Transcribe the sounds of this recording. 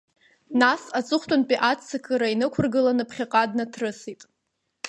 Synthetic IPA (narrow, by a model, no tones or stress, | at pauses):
nasat͡sʼɨχʷtʷʼʊnpʼiʔat͡sʰːakʰʼɨɾainɨkʷʰʊrɡɨlanɨpʰχʲaqʼadnatʰrɨsitʼ